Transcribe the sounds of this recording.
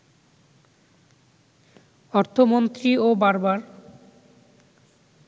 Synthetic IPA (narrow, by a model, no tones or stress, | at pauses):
ɔɾt̪ʰomont̪ɾiobaɾbaɾ